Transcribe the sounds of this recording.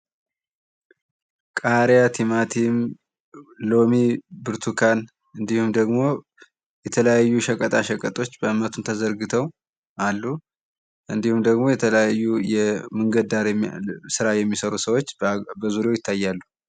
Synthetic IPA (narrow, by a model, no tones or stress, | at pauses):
kʼaɾjat̪ʰimat̪ʰim | lo̞mibɨɾt̪ʰukʰan | ɨnd̪ihumd̪əɡmo̞ | jɛt̪ʰələjajːuʃəkʼət̪ʼaʃəkʼət̪ʼo̞t͡ʃːbəɨmːət̪ʰunt̪ʰəzəɾɡɨt̪ʰəw | ʔalːu | ʔɨnd̪ihumd̪əɡmo̞jɛt̪ʰələjajːujɛmɨŋɡəd̪aɾsɨɾajɛmːisəɾusəwo̞t͡ʃːbəzuɾjewjɪt̪ʰːajːalːu